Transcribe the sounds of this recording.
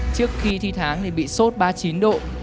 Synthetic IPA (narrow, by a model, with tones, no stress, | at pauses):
t͡ɕɨ˦˥ək̚xi˧t̪ʰi˧t̪ʰaː˨˦ŋɗe˨˩ɓḭ˧˨so˦˥t̚ɓaː˧t͡ɕi˨˦nɗo̰˧˨